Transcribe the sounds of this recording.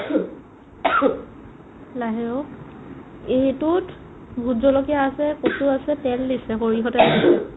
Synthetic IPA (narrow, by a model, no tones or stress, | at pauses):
laɦɛɹɔk | etut | bʱuzɔlɔkijaːsɛkosuasɛtɛldisɛxoɹiɦɔtɛlasɛ